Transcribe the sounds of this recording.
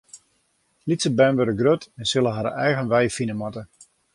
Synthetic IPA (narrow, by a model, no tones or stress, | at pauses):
litsəbɛnʋøɾəɡrøtɛnsɪlˠəɦaɾə̰ʔɛjɣənʋɛjəfinəmɔtə